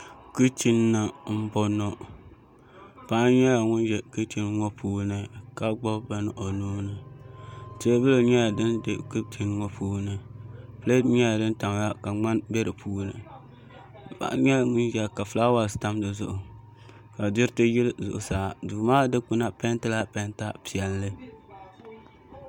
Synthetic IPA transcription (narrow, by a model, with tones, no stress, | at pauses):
ku˦t͡ʃi˦nː˦ɨ˨m̩˦bɔ˦nɔ˦ | pa˦ɲɛ˦la˨ŋʊ˦nʒɛ˨kɨ˦t͡ʃi˦n˦ŋɔ˦pʰuː˦nɨ˨ka˦ɡ͡bɔ˦ba˦nɨ˦ʔo˨noː˦nɨ˨ | te˦bɨ˦lo˨ɲɛ˦ja˨dɨ˦nde˨ku˦tʰi˨nŋɔ˦pʰuː˦nɨ˨ple˦dɲɛ˦ja˨dɨ˦nta˨ŋ˨ja˦ka˨ŋ͡ma˦nbe˦ɾɨ˨pʰuː˦nɨ̰˨ | pa̰˨ʔɲɛ˦˨ŋʊ˦n˦ʒɛ˨ka˨fɨ˨la˦wa˨sta˦m˦dɨ˨zʊ̰˨ʔʊ˨ | ka˨dɪ˦ɾtɨ˦ji˦lzʊ˨ʔʊ˨saː˨duː˨maː˦dɨ˦k͡pu˦na˦pɛ˦ntɨ˦la˦pɛ˦nta˦pi˨ɛ˨llɨ˦